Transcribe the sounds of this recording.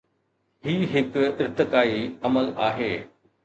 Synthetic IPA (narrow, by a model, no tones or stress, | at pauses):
ɦiːɦɪkɪɾt̪ɪkaːiɐməlaːɦeː